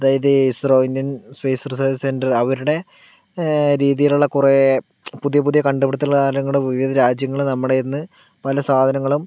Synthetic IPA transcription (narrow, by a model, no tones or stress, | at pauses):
ɐðaːjɐðɨisroːindjɐnspejsɐrsɐse̞ndɐrɐʋɐɾuɽe̞ | ɾiːðijiluɭːɐkure | puðijɐp̬uðijɐkɐɳɖɐpiɽɐt̪ːɐlkaːɾɐnɐŋːɐɭɽeʋiʋid̪ɐɾaːd͡ʑjɐŋːɐɭunɐmːuɽejiɾnːɨ | pɐlɐsaːd̪ʱɐnɐŋːɐɭum